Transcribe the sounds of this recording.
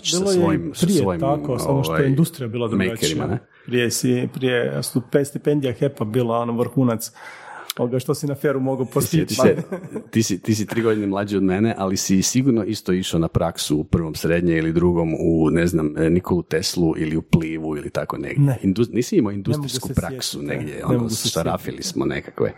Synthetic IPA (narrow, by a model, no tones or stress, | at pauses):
bilˠojejimsɾieojit̪akosamoʃtajoeiind̪ust̪ɾijabiːlˠad̪ɾumejakeɾima̰ne | pɾijesipɾijest̪upst̪ipend̪ijaxepabiːlˠao̞noʋɾ̩xuːnat̪soɡaʃt̪osinafeɾumo̞ɡopost̪it̪iet̪isit̪is̬it̪ɾiːɡo̞d̪inemlˠad͡ʒiod̪meneʔalisisiɡuɾnoʔist̪oiʃanapɾaksuːpr̩ʋo̞msɾed̪ɲeilid̪ɾuɡo̞muneznamnikʰolˠut̪eslˠuʔiliupliːʋuilit̪akonḛɡeind̪uniːsiimoind̪ust̪ɾɾikupɾaksunḛɡd̪jeo̰nssaɾa̰filḭsmonḛkakʋḛ